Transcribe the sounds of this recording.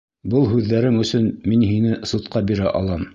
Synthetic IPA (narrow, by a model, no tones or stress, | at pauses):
bɤlˠɦʉðːæɾɘŋɵ̆sɵnminɦinɘsut̪qɑbiɾæʔɑ̰lˠɑm